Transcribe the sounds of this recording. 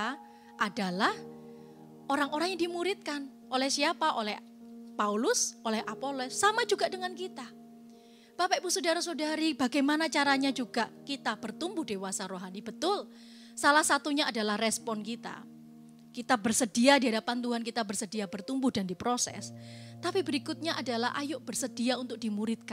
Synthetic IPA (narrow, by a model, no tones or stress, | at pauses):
ʔadalah | ʔoɾaŋoɾaŋjaŋdimuɾɪt̪̚kan | ʔolɛhsiapaʔolɛh | paulʊsʔolɛhapolɔsːamad͡ʒuɡaʔdəŋankit̪a | papaʔpusodaɾasodaɾibaɡajmanat͡ʃaɾaɲad͡ʒuɡaʔkit̪ab̥ərt̪umbʊhdewasaɾoɦanib̥ət̪ʊl | salahsat̪uɲaʔːdalahrɛspɔnkit̪a̰ | kit̪abərsədiadiɦadapant̪uɦankit̪abərsədiabərt̪umbʊhdandipɾosɛ̰st̪apibəɾikʊt̪̚ɲaʔadalaɦʔa̰jʊʔb̥ərsəd̥iaunt̪ʊk̚d̥imuɾɪt̪̚kan